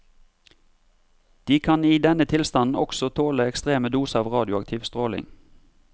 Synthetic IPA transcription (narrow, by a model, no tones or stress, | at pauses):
d̪̥iːkʰɑniːd̪ɛnət̪ʰɪlst̪ɑnn̩ɔksɔt̪ʰoːləɛkst̪ʁeːməd̪uːsəɑːʋʁɑːd̪jʊɑkt̪ʰɪːʋst̪ʁoːlɪ̰ŋ